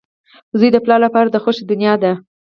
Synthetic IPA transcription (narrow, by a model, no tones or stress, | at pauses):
zujd̪əplɑlapɑɾad̪əxoʃed̪ʊnjɑd̪a